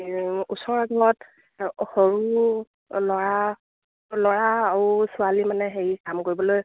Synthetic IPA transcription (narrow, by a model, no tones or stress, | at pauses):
usɔɹaɡʱɔɹɔt | hoɹu | lɔɹa | lɔɹaːɹusualimanɛɦeɹikamkoɹibɔloj